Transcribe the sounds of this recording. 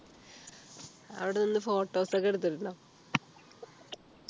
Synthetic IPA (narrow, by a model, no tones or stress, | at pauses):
ɐ̰ʋiɽeninːɨfo̞ːʈːo̞ːsɐkːeɽut̪̬ːiɾunːɐ